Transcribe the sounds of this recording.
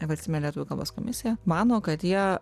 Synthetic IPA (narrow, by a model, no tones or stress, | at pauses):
ʋɐsʲɪmʲɛnʲlʲiɛt̪uʋʊkɐlˠbɐ̰sko̰mʲɪsʲɪjɛmɑːnoːkɐt̪jiɛ